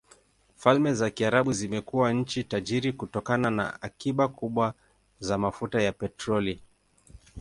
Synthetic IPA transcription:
falmɛzakiaɾaɓuzimɛkuwaɲ̩t͡ʃitaʄiɾikutɔkanana̰akiɓakuɓwa | zamafutajapɛtɾɔli

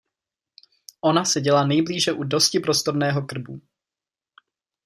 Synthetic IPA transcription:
ʔo̞nasɛɟɛlanɛjbliːʒɛʔudoscɪpɾo̞st̪o̞ɾnɛːɦo̞kr̩bṵ

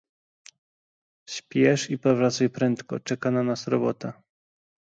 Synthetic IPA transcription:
ɕpʲjɛʂipɔvɾat̪sajpɾɛnt̪kɔ̰t͡ʂɛkananasɾɔbɔ̰t̪a

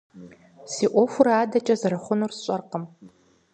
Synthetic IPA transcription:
siʔʷofʷuɾaaːdɐt͡ʃʼɐzaɾɨχʷʊnursɕʷʼɐrqəm

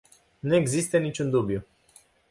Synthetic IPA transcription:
nue̞ɡzist̪ənit͡ʃund̪ubju

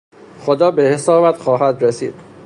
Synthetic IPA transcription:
xod̪ɒːbehesɒːbæd̪xɒːɦæd̪ɾesḭːd̪̥

